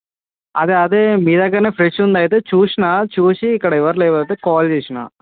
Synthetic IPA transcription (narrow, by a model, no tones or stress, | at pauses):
ɐd̪eɐd̪emiːd̪ɐɡɐneːpɾeʂund̪aːjit̪et͡ʃuːʂinaːt͡ʃuːʂiːkːɐɽɐiʋɐɾleʋɐt̪ekaːlt͡ʃeːʂina̰ː